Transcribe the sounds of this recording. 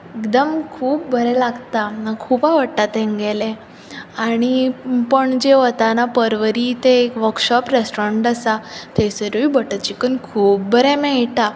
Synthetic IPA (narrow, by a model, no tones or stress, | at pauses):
ekd̪əmkʰuːp̚bʱəɾɛlaɡt̪aakʰuːpaʋəɽʈ̪at̪ɛ̃ŋɡɛlɛ̃ | aɽ̃ipəɳd͡ʑeʋət̪anapəɾʋəɾit̪eːkʋəɾkɕɔpɾesʈɾeɳʈəsat̪esəɾʋibəʈət͡ɕikənkʰuːp̚bəɾɛmɛ̃jʈa